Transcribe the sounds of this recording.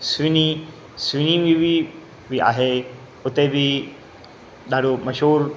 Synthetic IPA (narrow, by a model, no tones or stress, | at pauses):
sʋini | sʋiniʋiʋi | ʋia̰ɦe | ot̪ebi | d̪ʱaɽuməɕoːɾ